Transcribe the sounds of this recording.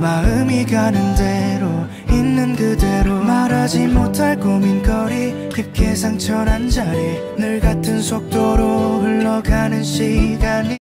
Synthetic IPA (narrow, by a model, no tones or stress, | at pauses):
maɯmiɡanɯnde̞ɾo | inːɯnɡɯde̞ɾomaɾad͡ʑimotʰaɭkominkʰʌɾi | kip̚k͈ʰe̞sʰaŋt͡ɕʰʌɾand͡ʑaɾi | nɯɭɡatʰɯnsʰok̚t͈oɾouɭːʌɡanɯnɕʰiɡaɲi